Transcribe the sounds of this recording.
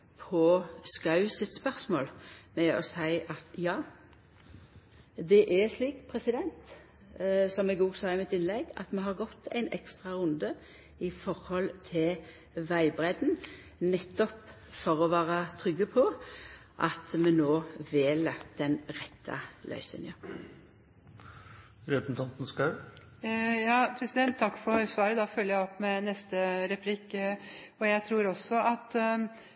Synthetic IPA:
pʰɔskɑʉsɪt̪spœʁsmoːlmɛɔ̰sæɪʔɑt̪jɑː | d̪ɛʔɛʂliːkpʰʁɛsɪd̪ɛnt̪ | sɔmɛɡuːsɑːɪmɪt̪ɪnlɛɡɑ̰t̪mɛɦɑʁɡɔt̪ʰːæ̰ɪnɛ̰kst̪ʁɑʁʉnd̪ə | ɪfɔʁhɔlt̪ʰɪl | ʋæɪbʁɛd̪n | nɛt̪ːɔp | fɔʁɔʋæːʁət̪ʰʁʏɡːəpʰɔ | ʔɑt̪mɛnoːʋɪeːləd̪̥ɛnʁɛt̪ʰːɑ̰lœ̰ʏsə̰njə | ɾɛsn̩t̪ʰɑnt̪n̩skɑʉ | jɑːpʰɾɛsɪd̪ɛnt̪ʰt̪ʰːɑkːfɔɾsʋɑːɾəd̪ɑfœlːəjæɪɔpːmɛnɛst̪əɾɛpʰlɪk | ɔjæɪt̪ʰɾuːɾɔsːɔɑt̪

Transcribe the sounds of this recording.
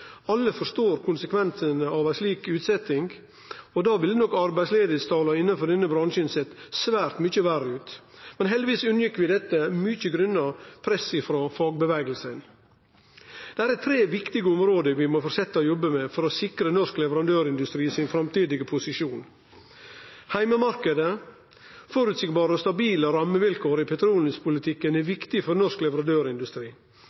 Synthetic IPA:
ɑlːəfɔʂt̪oːɾkʰʊnsəkʰʋɛnsənəɑʋæɪsliːkʉːt̪sɛt̪ɪŋɡ | ɔd̪ɑːʋɪlnɔkːɑɾbæɪsleːd̪əst̪ʰɑːlɑɪnːɑnfɔɾɖ̪ɛnːəbɾɑnʂənseːt̪sʋæːɾt̪mʏçəʋærəʉːt̪mɛnɦɛld̪ɪʋiːsʉnəjɪkːʋɪd̪ɛt̪ːəmʏçəɡɾʉnːɑpʰɾɛsɪfɾoːfɑːɡ̚bəʋæːɡəlsən | d̪̥ɛæːɾɛt̪ʰɾeːʋɪkt̪ɪɡəɔmɾoːd̪əʋɪmɔfɔɾsɛt̪ːəɔjɔbːəmɛfɔɾɔsɪkɾənɔʂklɛʋəɾɑnd̪øːɾɪnd̪ʉst̪ɾiːsɪnfɾɑmt̪ʰiːd̪ɪɡəpʰʊsɪʂuːn | hæɪməmɑɾkəd̪ə | fɔɾʉt̪sɪkbɑːɾəɔst̪ɑbiːləɾɑməʋɪlkʰoːɾɪpʰɛt̪ʰɾuːln̩spʰʊlɪt̪ʰɪkːənɛʋɪkt̪ɪfɔɾnɔʂklɛʋəɾɑnd̪øːɾɪnd̪ʉst̪ɾiː

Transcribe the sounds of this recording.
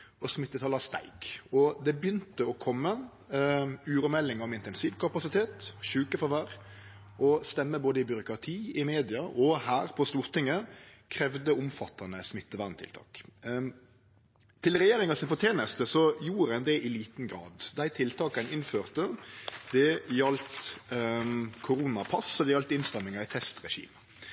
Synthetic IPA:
ɔsmɪt̪ːət̪ʰɑlɑst̪æ̰ɪɡɔd̪ɛbjʏnt̪əɔkʰɔmːə | ʉːɾʊmɛlːɪŋɔmɪnt̪ɛnsiːʋkʰɑpɑsɪt̪ʰeːt̪ɔʃʉːkəfɔʋæɾ | ʔɔst̪ɛmːəboːd̪əɪbʏɾʊkɾɑt̪ʰiːɪmeːd̪ɪɑʔɔhæːɾpʰɔst̪uːɾt̪ɪŋːəkʰɾɛʋd̪əʊmfɑt̪ːɑnəsmɪt̪ːəʋæʁnt̪ʰɪ̰lt̪ʰɑ̰ːk | t̪ʰɪlʁɛjeːɾɪŋɑsɪnfɔʁt̪ʰjeːnəst̪əsɔjuːɾɛnd̪ɛʔɪliːt̪nɡɾɑ̰ːd̪d̪æɪt̪ʰɪlt̪ʰɑːkɑnɪnføːʁt̪əd̪̥ɛjɑlt̪ | kʰʊɾuːnɑpʰɑsɔd̪ɛjɑlt̪ɪnst̪ɛmːɪŋɑɪt̪ʰɛst̪ʁɛʃḭːmə

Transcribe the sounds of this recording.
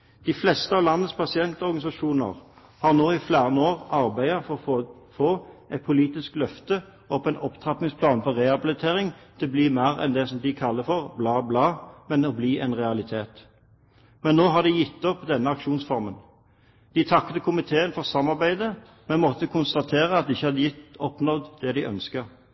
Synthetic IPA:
d̪̥ɪflɛst̪əɑːʋlɑnːəspʰɑsɪɛnt̪ɔʁɡɑnɪsɑʃuːnə̰ʁ | hɑʁnoːɪflæːʁənəoːʁɑʁbæɪɑfɔɔ | foːɛt̪̚pʰʊliːt̪ɪsklœft̪ə | ʔɔpːɛnɔpt̪ʰʁɑpnɪŋspʰlɑːnfɔʁɛhɑbɪlɪt̪ʰeːʁɪŋt̪ʰɪlɔbliːmæːʁɛ̰nd̪ɛsɔmd̪ɪkʰɑlːəfɔʁblɑːblɑːmɛnɔbliːʔɛnʁɛɑlɪt̪ʰeːt̪ | mɛnːoːɦɑʁd̪ɪjɪt̪ːɔpːd̪ɛnːəɑkʃuːnsfɔʁmən | d̪̥ɪt̪ʰɑkt̪əkʰʊmɪt̪ʰeːənfɔʁsɑmːɑʁbæɪd̪ə | mɛnmɔt̪ːəkʰʊnst̪ɑt̪ʰeːʁəɑt̪̚d̪ɪɪçːəhɑd̪ɪjɪt̪ːɔpnɔd̪d̪̥ɛd̪ɪʔœ̰nskəʁ

